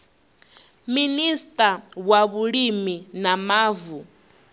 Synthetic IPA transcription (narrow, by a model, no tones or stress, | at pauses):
ministʼawaβuɺiminamaːvu